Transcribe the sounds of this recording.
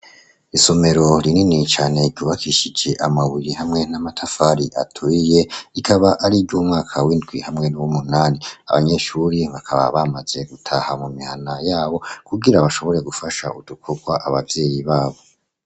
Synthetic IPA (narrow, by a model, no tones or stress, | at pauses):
iso̞me̞ɾo̞ɾininit͡ʃaːne̞ɟɟuːβakiʃid͡ʒe̞ʔamaβujihamŋe̞namatʰafaːɾiʔa̰tʰuije̞ikʰaβaʔaɾibɟuːmŋaːkʰawindɡwihamŋe̞nuwumunaːnia̰βa̰ɲe̞ʃuɾiβakʰaβa̰βamaz̥e̞ɡ̥utʰahamumihanajaːβo̞kuɡiɾaβaʃo̞βo̞ɾe̞ɡufaʃa̰udukʰoɡwaʔaβavje̞ːjiβaːβo̞